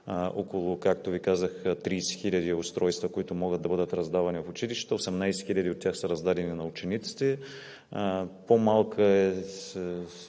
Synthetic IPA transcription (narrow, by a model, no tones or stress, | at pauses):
ʔɔkʊlˠʊkak̚t̪ovikazəxt̪ɾijsɛ̥xilʲɐd̪iʊst̪ɾɔjst̪vɐkoit̪ʊmɔɡəd̪̚ɐbɤd̪ət̪ɾɐzd̪avɐnivɐfʊt͡ʃiliʃt̪t̪əosɛmnajsɛ̥xilʲɐd̪iot̪ːʲjaxsəɾɐzd̪ad̪ɛninɐʊt͡ʃɛnit̪si̥t̪ɛ | pomalˠkʰəɛsɛ